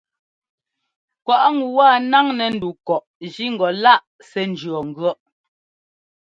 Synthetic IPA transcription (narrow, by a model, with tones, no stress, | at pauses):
kwa˨ʔŋu˨wa˦˨na˦ŋnɛ˨n̩˦du˨kɔ˨ʔd͡ʒi˦ŋ̩˨ɡɔ˨la˦˨ʔ | sɛ˦n˨d͡ʒɰɔ˨ŋ̩˨ɡɔ˦ʔ